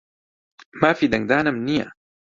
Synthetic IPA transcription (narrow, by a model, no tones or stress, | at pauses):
maːfiːd̪aŋd̪aːnamnia̰